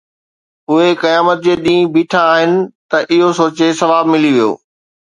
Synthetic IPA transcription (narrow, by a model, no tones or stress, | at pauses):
ʊɦekɐjaːmət̪̚d͡ʑeːɗĩːbiːʈʰãaːɦɪnɪ̆t̪ɐʔɪɦosoːt͡ɕesɐʋaːbmɪliʋijo̰ː